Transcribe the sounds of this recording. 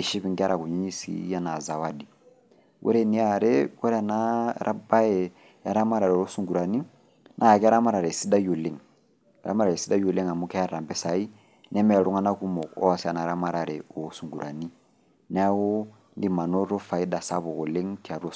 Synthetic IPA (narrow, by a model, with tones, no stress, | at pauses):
i˨ʃi˦bi˨ŋka˦ɾa˨ku˨ɲi˦ɲi˦sḭ˦ja˦na˨za˨wa˦di˨ | wʔḛ˦ɾe˦ni˦a˨ɾe˦we˦ɾe˦a˨na˦ɾʔa̰˦ba˦je˨ | ja˦ɾa˦ma˦ɾa˨ɾe˨o˦su˨ŋɡu˨ɾa˨ni˦ | nʔa˦ja˨kɛ˦a˦ɾa˦ma˦ɾa˨ɾe˨si˦da˦jo˨le˨ŋ˨ | ɾa̰˦ma˦ɾa˨ɾe˨si˦da˦jo˨le˦ŋa˨mu˦kɛ˦a˦ɾa˨mbɛ˦sa˨i˦ | nɛ˦mɛ˦a˨ɾu˦ŋa˦na˦ku˦mo˨o̰˦wa˨si˦a˨na˨ɾa˦ma˦ɾa˨ɾe˨o˨˦su˨ŋɡu˨ɾʔa˨ni˦ | n˦wo˦ | ndi˦ma˨no˦ɾo˦fa˨i˦da˨sa˦bo˨ko˨le˦ŋkɛ˨a˨ɾu˦o˦